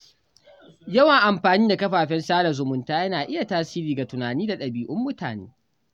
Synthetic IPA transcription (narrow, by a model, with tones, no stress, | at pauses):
jɐ˦wɐ˨ʔa˨mɸaː˨niː˦da˨kɐ˦ɸaː˨ɸɛ˦nsaː˦lɐ˨zʊ˨mʊ˦ntaː˦jɐ˦naː˨ʔɪ˦ja˨taː˦siː˦ɾiː˨ɡa˨tʊ˨naː˨niː˦da˨ɗɐ˨biː˨ʔʊ˦mːʊ˦ta̰ː˨nḛː˦